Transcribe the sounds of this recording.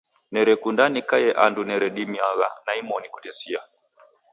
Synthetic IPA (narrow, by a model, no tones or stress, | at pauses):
nɛɾɛkundanikajɛʔandunɛɾɛɗimiaɣa̰naimɔniku̥tɛsia